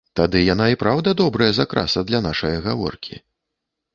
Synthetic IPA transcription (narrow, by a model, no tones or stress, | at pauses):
t̪ad̪ɨjanaipɾawd̪ɐd̪ɔbɾɐjɐzakɾa̰sɐd̪lʲɐnaʂɐjɐɣavɔ̰rkʲḭ